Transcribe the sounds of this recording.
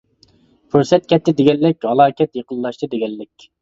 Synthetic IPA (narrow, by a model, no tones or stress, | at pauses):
pʰuɾsɛt̪̚kʲʰɛt̪ːɪd̪ɪɡʲɛlːɪkʲhɑlˠɑːkʲɛt̪jeqəlːˠɑʃt̪ʰɨd̪eɡʲɛlːɪkʲ